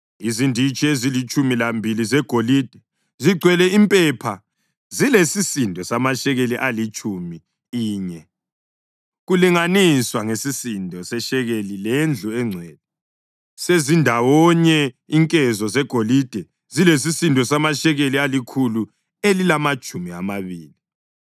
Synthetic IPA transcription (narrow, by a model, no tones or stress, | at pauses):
izindʱit͡ʃʼiezilit͡ʃʼumilambʱilizɛɡ̥ʱoliːd̥ʱɛ | ziɡ͡ǀʱwɛlɛimpʼɛpʰa | zilesisindʱɔsamaʃɛɣeliʔalit͡ʃʼumi | iːɲɛ | ɣuliŋaniswaŋesisindʱɔsɛʃɛɣelilend͡ɮʱuɛŋ͡ǀʱɛːd̥̚ʱɛ | sezindʱawɔɲɛ | iŋkʼɛzɔzɛɡ̥ʱolid̥ʱɛ | ziles̬isindʱɔsamaʃɛɣelialikʰulu | elilamat͡ʃʼumia̰maβiːli